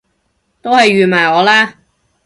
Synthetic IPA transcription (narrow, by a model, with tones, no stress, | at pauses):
t̪o˥whɐ˨jɥyː˨maː˨˩jɔː˨˧laː˥